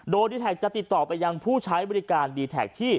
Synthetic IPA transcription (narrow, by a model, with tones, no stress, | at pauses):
doː˧jdiː˧t̪ʰɛː˨˩k̚t͡ɕa˨ʔt̪i˨˩t̪ːɔː˨˩pa˧jːa˧ŋpʰuː˥˩t͡ɕʰa˦˥jbɔː˧ɾi˦˥kaː˧ndiː˧t̪ʰɛ̰ː˨˩k̚t̪ʰiː˥˩